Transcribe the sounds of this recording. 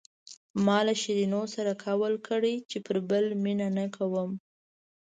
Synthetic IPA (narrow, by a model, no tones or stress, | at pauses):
mɑlaʃiɾinosaɾakʰawəlkʰəɽet͡ʃepəɾbəlminanakʰawəm